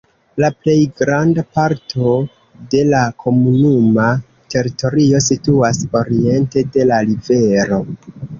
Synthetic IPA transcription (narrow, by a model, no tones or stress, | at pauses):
laple̞jɡɾandapaɾt̞ʰo̞ | de̞lakʰo̞munuma | te̞ɾito̞ɾio̞situaso̞ɾie̞nte̞de̞lalive̞ɾo̞